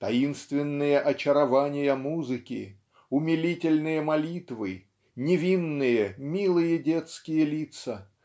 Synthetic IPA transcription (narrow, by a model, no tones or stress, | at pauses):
t̪ɐ̰inst̪vʲɪnːɨjəʔɐt͡ɕɪɾɐvanʲɪjəmuzɨkʲɪ̰ | ʊmʲɪlʲitʲɪlʲnɨjəmɐlʲit̪vɨ | nʲɪvʲinːɨjəmʲilˠɨjədʲet̪skʲɪjəlʲit̪sə